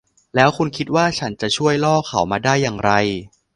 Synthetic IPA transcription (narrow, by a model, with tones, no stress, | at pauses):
lɛː˦˥wkʰu˧nkʰi˦t̪̚waː˥˩t͡ɕʰa˦˥nt͡ɕa˨˩t͡ɕʰu˥˩əjlɔː˥˩kʰa˨˩˦wmaː˧daː˥˩jːaː˨˩ŋɾa˧j